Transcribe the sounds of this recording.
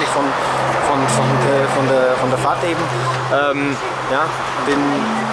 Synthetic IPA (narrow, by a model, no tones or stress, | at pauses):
ɪçfɔn | fɔnfɔdfɔndeɐfɔndeɐfaɐtʔeːbm̩ | ʔɛːm | jaː | b̥ɪn